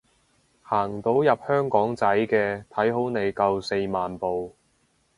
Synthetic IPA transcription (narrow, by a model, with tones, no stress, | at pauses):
haː˨˩ŋt̪o˨˥wjɐ˨p̚hœː˥ŋkɔː˨˥ŋt͡sɐ˨˥jkɛː˧t̪ʰɐ˨˥jɦo˨˥wne˨˧jkɐ˧wse˧jmaː˨npo˨w